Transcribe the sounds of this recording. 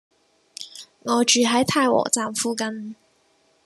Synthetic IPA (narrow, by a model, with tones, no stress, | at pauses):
ŋɔː˨˧˥t͡ʃyː˨˩ɦɐ˨˥jt̪ʰa˥˧jwɔ̰˨˩t͡saː˧mfu˥˧kɐ˥n